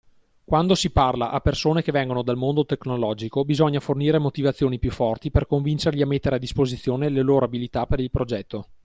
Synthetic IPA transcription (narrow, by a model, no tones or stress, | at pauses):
kwand̪osiparlaʔapːersoːnekevɛŋɡonod̪almond̪ot̪eknolɔːd͡ʒikobizɔɲːaforniːɾemot̪ivat̪sːjoːnipjufːɔrt̪iperkoɱvint͡ʃerʎiamet̪ːeɾead̪ːispozit̪sːjoːneleloːɾoabilit̪apeɾilpɾod͡ʒɛt̪ːo